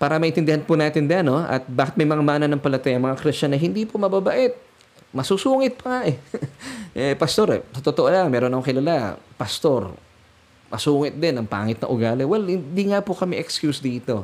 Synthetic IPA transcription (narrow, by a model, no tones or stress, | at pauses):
paːɾɐmɐʔɪnt̪ɪnd̪ɪhanpʊnaːt̪ɪnd̪janoʔɐ̰t̪̚baːkɪt̪̚mɐjmɐŋamaːnɐnɐŋpɐlɐt̪ɛjɐŋmɐŋakɾɪst͡ʃɐnːɐɦɪnd̪ipomɐbabaʔɛt̪̚ | mɐsusuːŋɪt̪̚pɐŋaʔɛ | ʔɛpɐst̪o̞ɾɛ̰sɐt̪ot̪oʔolaŋmɛːɾonɐoŋkɪlalapɐst̪o̞ɾ | mɐsuːŋɪt̪̚d̪ɛnɐŋpa̰ːŋɪt̪̚nɐ̰ʔʊɡaːlɪwɛlhɪnd̪iŋapokɐmɛʔɛkskjusd̪iːt̪o̞